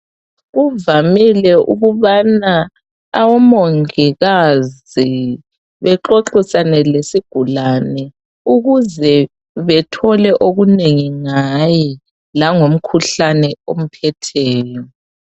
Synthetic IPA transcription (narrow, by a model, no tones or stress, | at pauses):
ɣuvamilɛʔṵɣuβana | awɔmoŋiɣaz | i | βɛǁoǁisanɛlesiɡ̥ʱulanɛ | uɣuzɛ | βɛtʰɔlɛʔoɣuneŋiŋajɛ | laŋom̩kʰuɬanɛom̩pʰɛtʰɛːjɔ